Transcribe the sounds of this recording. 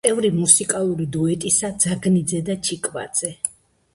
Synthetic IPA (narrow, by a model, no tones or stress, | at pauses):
ɛvɾimusikʼalˠuɾid̪uɛt̪ʼisad̪z̥aɡnid̪zɛd̪at͡ʃʰikʼva̰d̪z̥ɛ